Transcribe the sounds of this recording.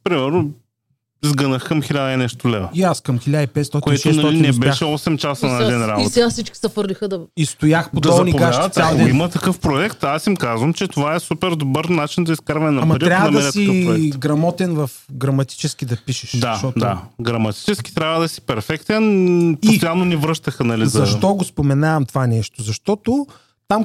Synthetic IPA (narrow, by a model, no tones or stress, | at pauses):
pɾimɛɾno | izɡənəxkɐmxilʲad̪ɐɛnɛʃt̪ʊlɛvɐiaskɐmxilʲad̪ipɛt̪st̪ɔt̪koɛtʃɛɐɔlinɛbɛʃɛɔsɛmt͡ʃasənɐɛd̪ɛnɾabot̪ɛɡasit͡ʃkʲi̥sɐfɤɾlʲixəd̪ɐist̪ojaxpod̪ɔnipɡaʃaaɛimɐt̪ɐkɤfpɾoɛkt̪asimkazvəmt͡ʃɛt̪ovaɛsupɛɾd̪obɤɾnat͡ʃind̪ɐiskaɾvɐnɛnɐmɐpɾtiɾʲjavdəɐmɐɛɾɛt̪ikəɛɡɾɐmɔt̪ɛnvɐfɡɾɐmɐt̪i̥t͡ʃɛsk̟id̪ɐpiʃɛ̥ʃd̪aʃɔd̪aɡɾɐmɐt̪i̥t͡ʃɛskʲi̥t̪ɾʲabvəd̪ɐsi̥pɛɾfɛkt̪ɛnp̪sit̪jalnonivɾɤʃt̪əxɐnɐlizɐʃt̪ɔɡospomɛnavɐmt̪ovanɛʃt̪ozɐʃt̪ɔt̪o | t̪am